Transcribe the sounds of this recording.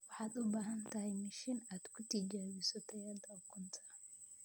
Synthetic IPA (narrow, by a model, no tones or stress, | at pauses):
wɑħaːd̪ʊbaːɦɐnt̪ʰɐhɛjmɪʃɪnaːd̪̥kʰʊt̪ɪd͡ʒaːβɪsɔt̪ʰɐjaːd̪ɐkʰʊnt̪ʰɐ̥